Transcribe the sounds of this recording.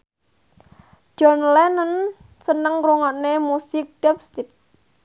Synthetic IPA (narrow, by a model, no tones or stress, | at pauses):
d͡ʒ̥ɔnlɛnən | sənəŋruŋɔʔnemusɪk̚ɖ̥ɛpst̪ɪp̚